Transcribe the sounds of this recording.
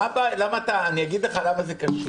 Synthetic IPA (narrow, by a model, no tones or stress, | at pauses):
abalamaːt̪aːniaɡid̪leχalamazekaʃu